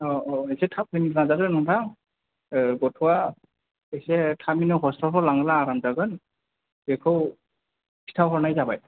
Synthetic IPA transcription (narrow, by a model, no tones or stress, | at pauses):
ɔɔejsɛtʰap̚ʰɯmitʰlazaɡɯnɔntʰaŋ | ɡɔtʰɔwa | ejsɛtʰaminɯɦɔstɔpʰɔlaŋɯlaːɾamzaɡɯn | bekʰɯw | kʰi̥tʰawɦɔɹnajzabaj